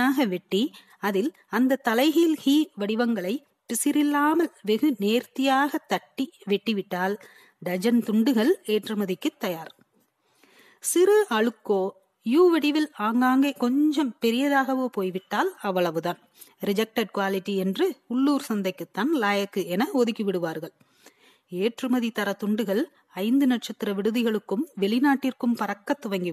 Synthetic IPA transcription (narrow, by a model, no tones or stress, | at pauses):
aːɣɐʋɛʈːi | ɐðɪl | ɐnd̪ɐt̪ːɐlɐɪɣilhiːʋɐɽɪʋɐŋɡɐɭɐɪ | pɪsɪɾɪlːaːmɐlʋɛɣɯneːɾt̪ːɪjaːɣɐt̪ːɐʈːiʋɛʈːiʋɪʈːaːl | ɖɐd͡ʒɐnt̪ʊɳɖɯɣɐɭeːʈrɯmɐðɪkːɯt̪ːɐjaːɾ | sɪɾɯʔɐɻɯkːoː | juːʋɐɽɪʋɪlaːŋɡaːŋɡeːkɔɲd͡ʒɐmpɛɾɪjɐðaːɣɐʋoːpoːjʋɪʈːaːlɐʋːɐɭɐʋɯðaːn | ɾɪd͡ʒɐk̚ʈɐɖ̚kʋaːlɪʈːiɛndrɯʊɭːuːɾsɐnd̪ɐɪkːɯt̪ːaːnlaːjɐkːɯɛnɐoðɯkːiʋɪɽɯʋaːɾɣɐɭ | eːʈrɯmɐðit̪ɐɾɐt̪ʊɳɖɯɣɐɭ | ɐɪnd̪ɯnɐʈ̚t͡ʃɐt̪ːɪɾɐʋɪɽɯðɪɣɐɭɯkːɯmʋɛɭɪnaːʈːɪrkɯmpɐɾɐkːɐt̪ːʊʋɐŋɡi